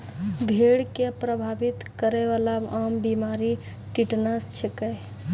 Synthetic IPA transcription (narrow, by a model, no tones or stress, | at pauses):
bʱeɽkepɾəbʱabit̪kəɾeʋalaambimaɾi | ʈiʈnəst͡ʃʰekəj